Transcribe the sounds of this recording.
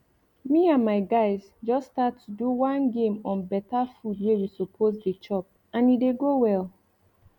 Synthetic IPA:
miãnmaɪɡaɪz | d͡ʒɔsːtatuduwãnɡẽmɔ̃nbɛtafudwejusopʰozdet͡ʃɔp̚ | ãnideɡowɛl

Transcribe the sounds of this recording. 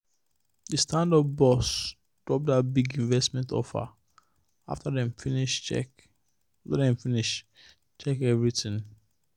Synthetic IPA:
dəstãndɔp̚bɔs | d̥ɹɔp̚dat̚biɡĩɱvɛstmɛ̃ntɔ̰fa̰ | a̰ftadɛ̃mfniɛ | aftadɛ̃mfiniʃ | t͡ʃɛkɛvɹitĩŋ

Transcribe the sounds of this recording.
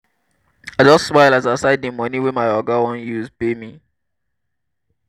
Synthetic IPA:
aɪd͡ʒɔtsmaɪlasasaɪdimɔniwɛmaɪɔɡawɔ̃njuzpemi

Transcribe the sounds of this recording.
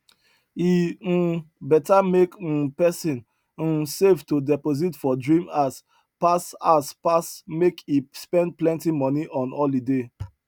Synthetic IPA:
i | bɛtamek̩pɛsĩn̩ | sevtodɛpoz̬itfɔdɹĩmas | pasaspasmekispɛ̃nd̚plɛ̃ntimɔniʔɔ̃nɔldide

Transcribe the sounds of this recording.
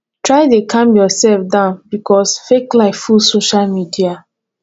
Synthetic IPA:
tɹaɪdekʰãmjɔsɛlfdãʊ̃nbikɔsfeklaɪffulsoʃalmidia

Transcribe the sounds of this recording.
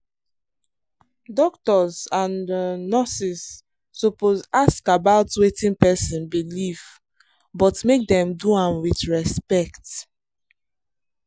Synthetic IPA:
dɔktɔzãnnɔsisː | ɔpozaskabaʊtwetĩnpɛsɔ̃nbiliv | bɔtmek̚dɛ̃mduãmwiθɹɛspɛkt

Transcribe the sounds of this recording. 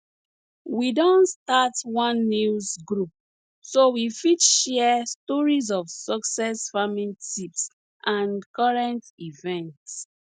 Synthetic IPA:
widɔ̃nstatwɔ̃nːuzɡɹup̚ | sowifidʃɛstɔɹizɔfsɔksɛsfamĩntips | ʔãnkɔɹɛ̃ntivɛ̃nts

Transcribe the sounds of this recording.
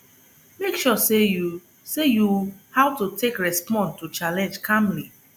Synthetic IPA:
mekʃɔse | sejuhaʊtutʰekɹɛspɔ̃ntut͡ʃalɛ̃nd͡ʒkʰãmli

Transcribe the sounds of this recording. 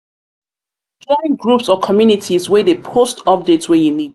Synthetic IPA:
dɔɹɪ̃ŋɡɹupsɔkʰɔmjunitʰizwɛðepʰostʰɔp̚detswɛjuni

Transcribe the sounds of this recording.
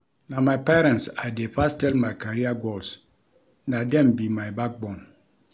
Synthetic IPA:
namaɪpɛɾɛ̃ntsadefastɛlmajkaɾiaɡɔls | nadɛ̃mbimajbak̚bɔ̃n

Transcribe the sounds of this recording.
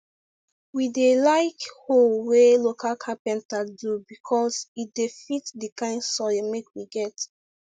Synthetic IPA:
widelaɪkholwelokʰalkʰãpɛ̃ntadubikʰɔsit̚defitdikãɪ̃nsɔmekwiɡɛt

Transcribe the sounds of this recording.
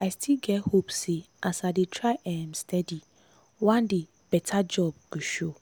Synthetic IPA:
astʰilɡɛt̚hopse | ʔasadetʰɾaʔɛ̃mstʰɛdi | wãndɪ | b̥ɛtʰad͡ʒɔb̚ɡuʃo

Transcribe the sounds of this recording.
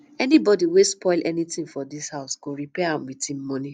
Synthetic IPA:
ɛnibɔdiwespɔɪlʔɛnitĩŋfɔdishaʊsɡ̥oɹipɛãmwitĩm̩mɔ̃ni

